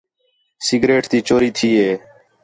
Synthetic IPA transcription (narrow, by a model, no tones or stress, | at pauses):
sɪɡɾeːʈt̪iːt͡ʃoːɾiːt̪ʰiːɦeː